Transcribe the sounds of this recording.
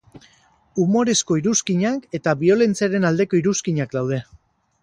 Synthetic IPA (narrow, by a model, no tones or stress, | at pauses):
umo̞ɾe̞sko̞iɾuskiɲake̞t̪aβio̞le̞nt͡siaɾe̞nald̪e̞ko̞iɾuskiɲakd̪awð̞e̞